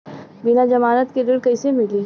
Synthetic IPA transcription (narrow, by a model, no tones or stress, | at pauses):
bɪnad͡ʒɐmaːɾət̪kedɪɽkɐɪsemɪliː